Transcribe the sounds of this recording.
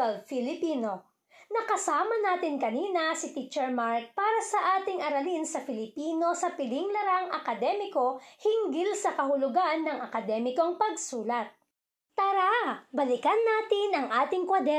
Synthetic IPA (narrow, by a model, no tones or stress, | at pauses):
ɐlfɪlɪpiːno̞ | nɐkɐsaːmɐnaːt̪ɪnkɐniːnɐsɪt̪it͡ʃɛɹmaɹk̚paːɾɐsɐʔaːt̪ɪŋʔɐɾɐlinsɐfɪlɪpiːno̞sɐpɪlɪŋlɐɾaŋʔɐkɐd̪ɛːmɪko̞hɪŋɡɪlsɐkɐɦʊlʊɡanːɐŋɐkɐd̪ɛːmɪko̞ŋpɐɡsuːlɐt̪̚ | t̪aɾabɐlɪkɐnːaːt̪ɪnɐŋʔaːt̪ɪŋkwɐd̪ɛ